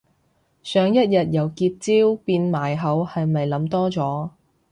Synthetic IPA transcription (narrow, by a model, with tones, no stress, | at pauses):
sœː˨˧ŋjɐ˥t̚jɐ˨t̚jɐ˨˧wkiː˧t̚t͡siː˥wpiː˧nmaː˨jɦɐ˨˥whɐ˨jmɐ˨jlɐ˨˧˥mt̪ɔː˥t͡sɔː˨˥